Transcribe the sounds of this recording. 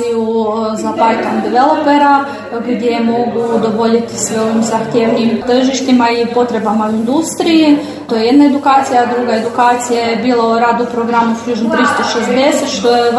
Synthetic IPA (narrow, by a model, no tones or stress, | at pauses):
ijuzapajt̪ond̪iʋelˠo̞pe̞ɾa | ɡdʲje̞jemo̞ɡud̪o̞bo̞ʎit̪isʋeo̞ʋimzaxt̪jeʋnimt̪r̩ʒiʃt̪imaipo̞t̪ɾe̞bamauind̪ust̪ɾiji | t̪ojeje̞d̪nae̞d̪ukaːt̪sijaːd̪ɾuɡae̞d̪ukaːt̪sijajebiːlˠauɾaːd̪upɾoɡɾamuskʎud͡ʒnomt̪ɾist̪o̞ʃezd̪e̞set̪ʃt̪oje